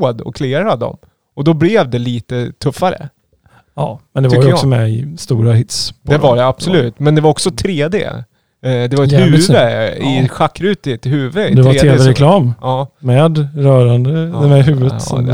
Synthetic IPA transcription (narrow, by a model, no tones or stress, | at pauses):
d̪ɔ̰kʰleːɾad̪d̪ɔ̰m | ɔd̪ɔblɛːvd̪ɛliːt̪ət̪ʰɵfːaɾə̰ | ɑːmɛnd̪ɛvaɾjəɔksɔmɛɪst̪uːɾaɦɪt̪spʰd̪ɛvaɖɛab̥sɔlʉ̟ːt̪mɛnd̪ɛvaɾɔksɔt̪ʰɾeːd̪ḛː | d̪ɛvaɾɛt̪hʉ̟ːvəɪɧakːɾʉ̟ːt̪ət̪hʉ̟ːvətd̪ɛvaːeːvɛɾɛkʰlɑːmɑːmɛd̪ɾœːɾand̪əmɛɦʉ̟ːvət̪ɔ